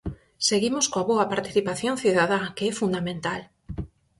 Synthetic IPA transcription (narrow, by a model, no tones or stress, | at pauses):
seɣimoskoaβoɐpaɾt̪i̥θipaθjõnθiðaðakeɛfund̪amẽnt̪al